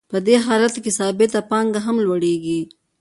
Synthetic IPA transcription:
pəd̪eɦɑlat̪kesɑːbɪt̪apɑŋɡaɦamlwɐɽeɡi

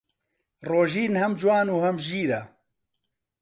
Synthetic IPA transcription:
roːʒiːnhɐmd͡ʒwaːnuːhɐmʒiːɾɐ

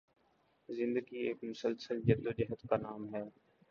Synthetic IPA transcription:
zɪ̃nd̪əɡiːeːkmʊsəlsəld͡ʒəd̪oːd͡ʒəɦət̪kaːnaːmɦɛː

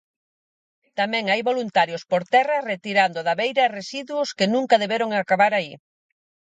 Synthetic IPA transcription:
t̪amɛ̃ŋajβolunt̪aɾjospoɾt̪ɛrɐret̪iɾand̪ʊðaβejɾɐeresiðwoskenũŋkaðeβeɾoŋakaβaɾai

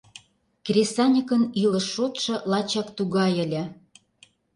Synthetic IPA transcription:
krʲesɑnʲəkənilə̆ʃːot̪ʃɤ̆lɑt͡ɕɑkt̪uɣɑjə̆lʲĕ

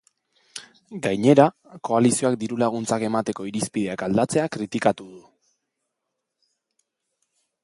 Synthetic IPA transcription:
ɡajɲe̞ɾa | ko̞alisio̞akd̪iɾulaɣ̞unt͡sake̞mat̪e̞ko̞iɾispið̞e̞akald̪at͡se̞akɾit̪ikat̪uðu

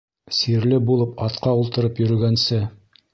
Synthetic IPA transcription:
siɾlɘbulˠɤpɑt̪qɑulˠt̪ɤ̆ɾɤpjɵ̆ɾɵ̆ɡænsɘ

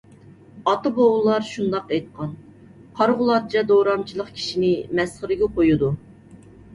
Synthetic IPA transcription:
ɑt̪ɨboʁʊlˠɑɾʃund̪ɑqɛjt̪̚qʰɑn | qʰɑɾʁʊlˠɑɾ̚t͡ʃʰɛd̪oɾɑmt͡ʃʰilˠəqkʲʰi̥ʃinɪmɛsχəɾɪɡʲɛqʰojud̪u

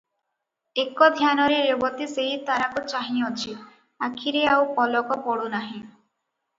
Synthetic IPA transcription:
ekɔd̪ʱjanɔɾeɾebɔt̪iseɦit̪aɾakut͡ʃaɦiɔt͡ʃʰi | akʰiɾeawpɔlɔkɔpɔɽunaɦĩ

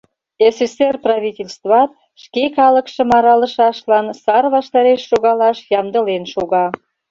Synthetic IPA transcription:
eseserprɑβʲitʲelʲst̪vɑt̪̚ | ʃkekɑləkʃə̆mɑɾɑləʃɑʃlɑnsɑrβɑʃt̪ɑɾeʃːoɣɑlɑʃjɑmd̪əlenʃoɣɑ

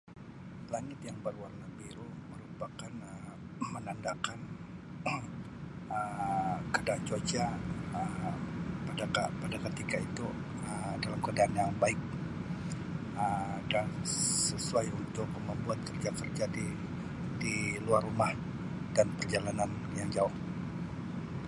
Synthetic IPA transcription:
laŋɪt̪jaŋbərwarnabiɾuməɾupakanə | mənandakan | əmkədaːnt͡ʃot͡ʃaə | padakapadakət̪ikait̪u | ədalamkadaanjaŋbaɪk̚ | ədansəsuajunt̪ʊk̚məmbuat̪̚kərd͡ʒakərd͡ʒadi | diluarːumah | danpərd͡ʒalanan | jaŋd͡ʒaʊh

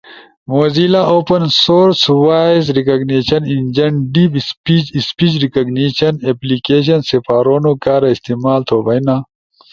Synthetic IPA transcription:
moːzilaʔoːpɐnsoːɾswaːizɾikɐɡneːɕɐnind͡ʑɐɳɖiːpspit͡ʃispiːt͡ʃɾikɐɡniːɕɐneplikeːɕ̬ɐnsefaːɾoːnokaːɾaist̪iːmaːlt̪ʰoːbɐjnaː

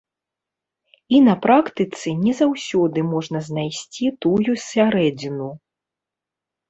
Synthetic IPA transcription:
inɐpɾakt̪ɨt̪sɨnʲɛzawsʲɔd̪ɨmɔʐnɐznajsʲt͡sʲit̪ujusʲaɾɛd͡zʲinu

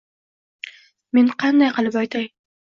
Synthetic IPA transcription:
me̞nqʰɑnd̪ajqɨlˠɪpɒjt̪ʰaj

